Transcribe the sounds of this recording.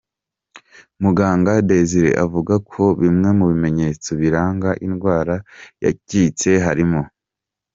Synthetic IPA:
muɡaːŋɡadeziɾḛʔavuɡakʰo̞βimŋe̞muβime̞ɲe̞ːt͡soβiɾaːŋɡaʔinɡwaːɾaja̰ciːt͡se̞ɦaɾimo̞

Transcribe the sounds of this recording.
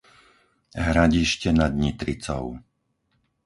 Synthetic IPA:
ɦɾaɟiʃcɛnad̪ɲit̪ɾit͡sɔ̰ʊ

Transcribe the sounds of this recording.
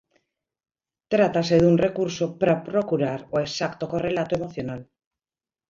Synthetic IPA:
t̪ɾat̪ase̞ðunrekuɾsopɾapɾo̞kuɾaɾoesakt̪oko̞re̞lat̪oemo̞θjo̞nal

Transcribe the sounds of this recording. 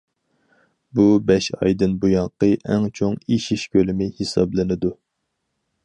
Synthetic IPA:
bubɛʃɑ̰jd̪ɨnbujɑqəʔɛŋt͡ʃʰoŋiʃiʃkʲølɪmɪhesɑ̰blɨnɨd̪u

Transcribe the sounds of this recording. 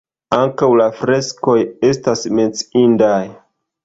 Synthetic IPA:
aŋkawlafɾe̞sko̞je̞stasme̞t͡sindaj

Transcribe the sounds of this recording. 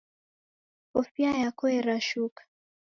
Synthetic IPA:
ɔfiajakɔɛɾaʃukḁ

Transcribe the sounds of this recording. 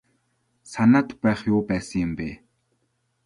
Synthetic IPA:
sanaːt̪pæːχjʊːpæːsə̆ŋjɪmpeː

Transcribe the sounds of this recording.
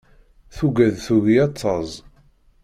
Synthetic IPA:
θuɡæðθuɣiɑt̪ˤːɑzˤ

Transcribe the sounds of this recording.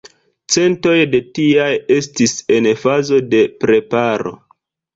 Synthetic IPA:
t͡se̞nto̞jde̞tiaje̞stise̞nfazo̞de̞pɾe̞paɾo̞̰

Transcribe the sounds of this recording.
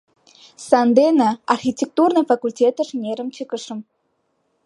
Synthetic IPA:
sand̪enaarxʲitʲek̚t̪urnəjfakulʲtʲet̪ə̆ʐnʲeɾə̆mt͡ɕɨkəʂə̆m

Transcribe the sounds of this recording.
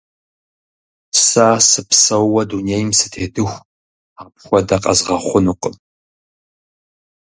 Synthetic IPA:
sasɨpsɐwwɐdunejmsɨ̥tʰeːdɨxʷ | aːp̚xʷɔdɐqʼɐ̰zʁɐχʷʊnuqʼəm

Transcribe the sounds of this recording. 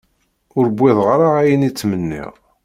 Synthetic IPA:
ʊɾbʷːɪðˤʁaɾaæjənit͡sːmənːḭʁ

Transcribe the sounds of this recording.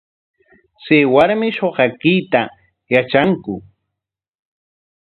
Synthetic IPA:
sɪwaɾmɪʃoɢɑkɪjt̪a | jat͡ʃaŋkʊ

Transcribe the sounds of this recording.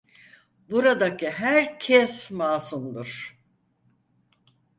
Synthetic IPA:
buɾad̪aciɦæɾcʰɛsmaːsumd̪uɾ̥

